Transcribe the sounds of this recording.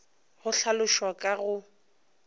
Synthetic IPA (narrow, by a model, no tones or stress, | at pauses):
ɣʊɬalʊʃwakʼaɣʊ